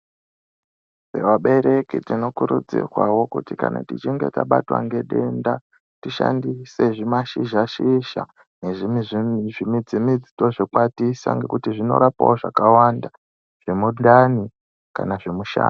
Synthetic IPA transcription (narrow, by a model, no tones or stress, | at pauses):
sewaɓe̞ɾe̞kitino̞kuɾud͡zḭrwawo̞kutika̰natit͡ʃiŋɡe̞taɓatwa̰ŋɡe̞ɗe̞nda | tiʃa̰ndise̞ʐimaʃiʒaʃiʃa̰ | ne̞ʐimiʐʐimid͡zimid͡zito̞ʐekwatisa̰ŋɡe̞kutiʐino̞̰ɾapa̰oʐakawanda | ʐ̥e̞muɗdani | ka̰naʐe̞muʃa̰ːn